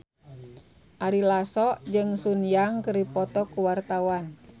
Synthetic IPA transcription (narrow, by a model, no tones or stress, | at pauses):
ʔaɾilasɔʔd͡ʒɨŋsunjaŋkəɾipɔt̪ɔkuwart̪awan